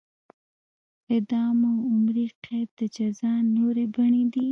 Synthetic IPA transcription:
ɪd̪ɑmaʊmɾiqʰab̚d̪̥əd͡ʒazɑnoɾebaɳed̪i

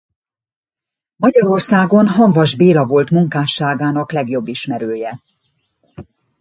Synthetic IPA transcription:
mɒɟɒɾo̞rsaːɡo̞nɦɒŋvɒʒbeːlɒvo̞lt̪muŋkaːʃaːɡaːnɒklɛɡjo̞bːiʃmɛɾøːjɛ

